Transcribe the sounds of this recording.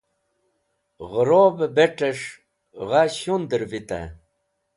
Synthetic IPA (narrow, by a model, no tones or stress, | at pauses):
ʁəɾobebeʈeʂ | ʁaɕund̪əɾvit̪a̰